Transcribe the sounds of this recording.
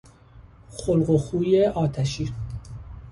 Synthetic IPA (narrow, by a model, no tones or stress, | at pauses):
xolɢoxuːjeʔɒːt̪ʰæʃiː